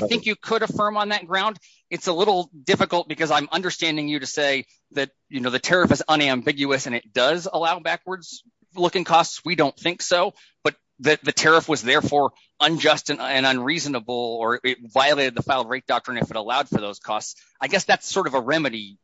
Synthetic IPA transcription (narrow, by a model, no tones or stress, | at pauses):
aɪθɪ̃ŋkjɨkʰəɾɨfɜ̃˞mə̃nðɨt̚ɡ̥ɹãʊ̃nd | ɨtsəlɪɾl̩ˠdɪfɨkl̩ˠt̚b̥ɨkʌzãɪ̃mʌ̃ndə˞stæ̃ndɪ̃ŋjɨɾɨseɪ | ðɨt̚jɨnoʊðɨtʰɛɹɨfɨzʌ̃ñæ̃mbɪɡjʉɨsɨ̃nɨt̚d̥ʌzəlaʊbækwə˞dz̥ | lʊkɪ̃ŋkʰɔstswidõʊ̃nθɪ̃ŋksoʊ | b̥ʌt̪̚ | ðɨðɨtʰɛɹɨfwʌzðɛɹfɔɹ | ə̃nd͡ʒʌstɨ̃nɨ̃nʌ̃nɹiznəbl̩ˠə˞ɪt̚vaɪɨlˠeɪɾɨd̪̚ðəfaɪlˠd̚ɹeɪt̚d̥ɑk̚tɹ̥ɨ̃nɨfɨɾəlaʊd̥fə˞ðoʊz̥kʰɔ̰sts | aɪɡɛsðætsɔɹɾʌvəɹɛmɨɾi